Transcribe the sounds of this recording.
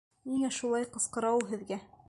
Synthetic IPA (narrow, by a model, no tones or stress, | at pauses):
niŋæʃulˠɑjqɤ̆sqɤ̆ɾɑwɦɘ̆ðɡæ